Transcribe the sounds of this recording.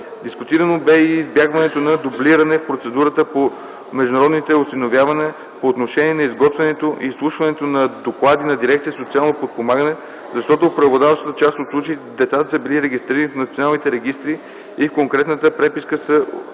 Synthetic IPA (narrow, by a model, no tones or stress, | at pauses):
d̪iskʊt̪iɾənobɛiːzbjaɡvɐnɛt̪onɐd̪ʊbliɾɐnɛfpɾot̪sɛd̪uɾət̪əpo | mɛʒd̪ʊnɾɔd̪nit̪ɛʊsinovʲjavɐnɛ | poːt̪noʃɛniɛnɐizɡɔt̪vɛnɛt̪oʔḭslˠuʃvɐnɛt̪onɐd̪oklˠad̪inɐd̪iɾɛk̚t̪sijəsot̪sialˠnopot̪̚pomaɡənɛ | zɐʃt̪ɔt̪opɾɛvod̪avəʃt̪ət̪ət͡ʃast̪ot̪slˠut͡ʃeitd̪ɛt̪sat̪əsəbiliɾɛɡʲist̪ɾiɾənifnɐt̪sijonalˠnit̪ɛɾɛɡʲist̪ɾi | ifkoŋkɾɛt̪nət̪əpɾɛpiskəsə